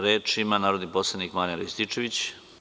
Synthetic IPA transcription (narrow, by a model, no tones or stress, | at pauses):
ɾeːt͡ʂimanaːɾod̪niposlˠad̪nikmaɾjaɾist̪it͡ʂeʋit͡ɕ